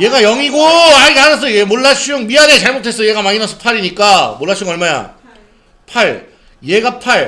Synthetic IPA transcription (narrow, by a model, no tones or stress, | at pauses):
je̞ɡajʌŋiɡoaɾiɡeanas̬͈ʌjemoɭːaɕ͈ʰuŋmiɦane̞t͡ɕaɭmotʰe̞s͈ʌjeɡamaŋinʌsʰʌpʰaɾiɲik͈amoɭːaɕʰuŋʌɭmaja̰ | pʰaɭ | je̞ɡapʰaɭ